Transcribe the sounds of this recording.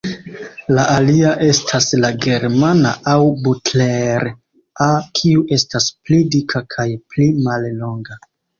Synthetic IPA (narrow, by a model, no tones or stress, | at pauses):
laʔaliaʔe̞stʰaslaɡe̞ɾmana̰ʔawbutleɾ | akʰiuʔe̞stasplidikʰakʰajplimallo̞ŋɡa